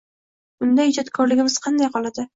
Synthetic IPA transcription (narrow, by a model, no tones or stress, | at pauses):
ʊnd̪ahɪd͡ʒɒt̪kʰɒɾlɪɡʲɪmɪz̥qʰɑnd̪ajqʰɒlˠad̪ɪ